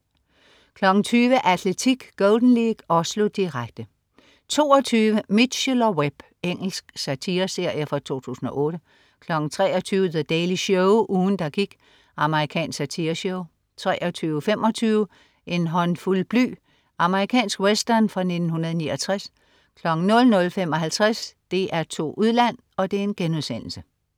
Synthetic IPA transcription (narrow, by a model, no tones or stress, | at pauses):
kʰlɒ̽ɡ̥n̩t͡sʰyːʋəʔæd̥let͡sʰiɡ̥ɡ̥ɔld̥n̩liɡ̥ɒslo̝d̥iʁaɡ̥̚d̥ə | t͡sʰo̝̰ːɒt͡sʰyːʋəmid̥ɕilɐweb̥ | eŋ̰l̩sɡ̥sæt͡sʰiːɐse̝ɐ̰jəfʁɑ̈t͡sʰo̝̰ːt͡sʰṵːsn̩ɒ̽ʔɔ̽ːɾ̥ə | kʰlɒ̽ɡ̥n̩t͡sʰʁɛːɒt͡sʰyːʋəðed̥ɛːliɕɔʊʔuːn̩d̥ɑ̈ɡ̥iɡ̥ | ɑ̈məʁikʰɛ̰ːnsæt͡sʰiɐɕɔʊ | t͡sʰʁɛːʔɒt͡sʰyːʊəfemʔɒ̽t͡sʰyːʊə | ʔe̝nɦɒ̽nfulb̥ly̰ː | ʔɑ̈məʁikʰɛ̰ːnsɡ̥wesd̥ɐnfʁɑ̈ne̝d̥n̩hunɐðˠniːɒt͡sʰʁas | kʰlɒ̽ɡ̥n̩nɔ̽lnɔ̽lfem̰ɒ̽ɦælt͡sʰʁasd̥e̝ʔæɐt͡sʰo̝̰ːʔuðˠlæn̰ | ɒ̽d̥e̝ɐe̝nɡ̥enuðˠsen̰l̩sə